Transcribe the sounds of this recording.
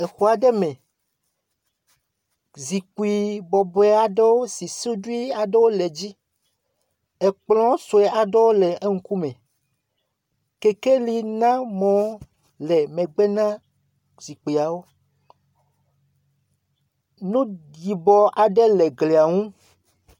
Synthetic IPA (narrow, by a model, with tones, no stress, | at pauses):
e˨xo˨a˨ɖɛ˦mɛ̃˨ | zi˨k͡pu˨i˨bɔ˨bɔ˨ɛ˦a˨ɖe˦wo˦si˨su˦du˦i˦a˨ɖe˦wo˦lɛ˨d͡ʑi˦ | e˨k͡plɔ̃˦so˨ɛ˨ʔa˨ɖɛ˦wo˦lɛ˨ʔe˦ŋ̩˦ku˦mɛ̃˨ | ke˨ke˦li˨nã˦mɔ̃˨ | lɛ˨mɛ̃˨ɡ͡bɛ˦nã˦ | zi˨k͡pi˨a˨wo˦ | nũ˦di˨bɔ˨ʔa˨ɖɛ˦lɛ˨ɡle˨a˨ŋũ˦